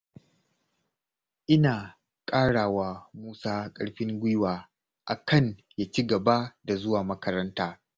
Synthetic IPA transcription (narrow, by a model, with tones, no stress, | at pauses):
ʔɪ˦naː˨ | kʼaː˦ɽaː˨waː˨muː˦saː˦kʼɐ˦ɽɸɪ˦ŋɡʷɪ˦waː˨ | ʔa˨kʰɐ˦nja˦t͡ʃi˦ɡɐ˨ba˦da˨zʊ˦waː˨mɐ˦kɐ˦ɾɐ˦ntaː˦